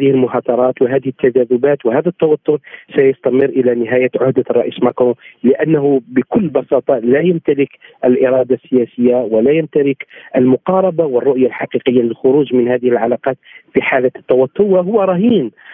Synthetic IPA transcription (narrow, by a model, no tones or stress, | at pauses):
d̪ɪhɪlmʊɦɑːt̪ˤɑɾˤɑːt̪waɦæːd̪ɪhət̪ːad͡ʒæːðʊbaːt̪whæːðæt̪ːɑwɑt̪ˤːʊɾsajɑst̪æməɾʔɪlænɪɦæːjaʕʊhd̪arˤɑ̰ʔismakɾõlɪʔænːaɦʊbɪkʊlːbɑsɑːt̪ˤɑlæjamt̪alɪkʔəlʔɪɾˤɑːd̪asːɪjæːsəjːawalæjamt̪alɪkʔəlmʊqɑːɾˤɑbawərˤːʊʔjalħɑqiːqəjːalɪlxʊɾuːʒmɪnhæːd̪ɪhɪlʕalaːqɑːt̪fiħaːlat̪ːɑwɑt̪ːʊɾwaɦʊwːaɾˤɑɦiːn